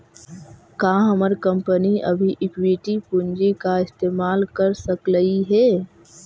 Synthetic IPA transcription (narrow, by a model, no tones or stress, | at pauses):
kaːɦəməɾkə̃mpəniʔɐ̰bʱiʔɪkwiʈipʊɲd͡ʒikaɪst̪eːmaːlkəɾsəkləiɦɛː